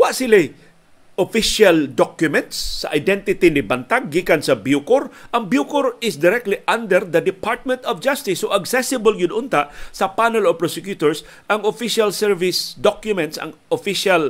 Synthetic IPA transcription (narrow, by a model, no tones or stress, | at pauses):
waʔsɪlɪ | ʔofiʃald̪ɔkjʊmɛ̃nt̪sːɐ̰ʔajd̪ɛnt̪ɪt̪inibant̪aɡ̚ːikansɐbjukʊɾʔɐŋbjukoɾɪsd̪ɪɾɛk̚t̪liʔand̪ɛɾd̪ɐd̪ɪpʰaɹt̪̚mɛ̃nt̪ɔvd͡ʒast̪ɪsːoʔaɡsɛsɪbolɡʊd̪ʔʊnt̪aʔsɐpanɛlɔvpɹɔsɪkjut̪oɹs | ʔaŋofiʃalsɛɹvɪsd̪ɔkjʊmɛ̃nt̪sa̰ŋofiʃal